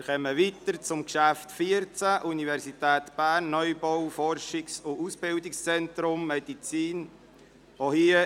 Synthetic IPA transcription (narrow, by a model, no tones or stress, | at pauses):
χɛməʋit̪əɾt͡sʊmkʃæft̪fiəɾt͡sæʔunivɛɾsitæːt̪b̥æːɾnːœjbɔwfɔɾʃɪksʊusb̥ɪwdɪkst͡sɛntɾʊmːɛdit͡siːn | ʋohiə